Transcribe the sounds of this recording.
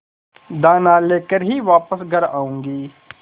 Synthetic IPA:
d̪aːnaleːkəɾɦiʋaːpəsɡʱəɾa̰ːũːŋɡiː

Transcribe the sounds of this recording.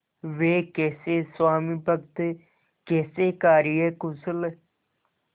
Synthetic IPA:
ʋeːkeːseːswaːmiːpəɡt̪ | keːseːkaːɾɪjeːkʊsəl

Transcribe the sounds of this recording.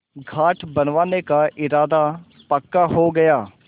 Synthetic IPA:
ɡʱaːʈʰbɐnʋaːnekaʔɪɾaːd̪a | pɐkːaɦoɡɐjaː

